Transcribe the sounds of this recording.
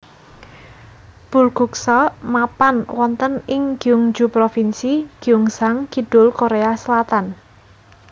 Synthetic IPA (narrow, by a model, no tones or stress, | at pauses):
b̥ṳlɡ̥ṳksɔmapanwɔnt̪ənɪŋɡ̥iuŋd͡ʒupɾofinsiɡ̥i̤uŋsaŋɡ̥iɖ̥ʊ̤lkoɾeasəlat̪an